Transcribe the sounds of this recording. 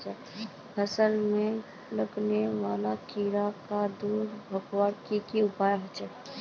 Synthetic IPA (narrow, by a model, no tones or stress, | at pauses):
t͡ʃɛ | əsəlmẽ | ləkneʋaːlakiːɾakad̪uːɾbʱəkwaɽkikiʊpaːjɦot͡ʃɛ